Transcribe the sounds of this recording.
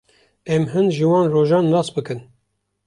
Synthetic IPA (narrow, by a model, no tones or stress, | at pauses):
ɛmɦɨnd̪ʒɨwɑːnroːʒɑːnːɑːsbɨkɨn